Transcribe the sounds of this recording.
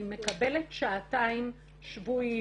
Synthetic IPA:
me̞kabeletʃaːtaim | ʃvu

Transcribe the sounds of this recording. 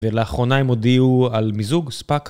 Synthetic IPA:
veleaχʁo̞naemod̪iualmizuɡspak

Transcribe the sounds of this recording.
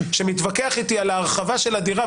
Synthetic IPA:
ʃemit̪vakeaχit̪ialaːʁχavaʃe̞lad̪iʁa

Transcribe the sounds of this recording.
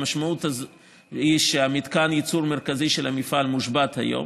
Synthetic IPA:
maʃmaʔut̪a | iʃeamid̪kanjit͡suɾmeʁkaziʃelhamifʔalmuʃbat̪ha̰jo̰m

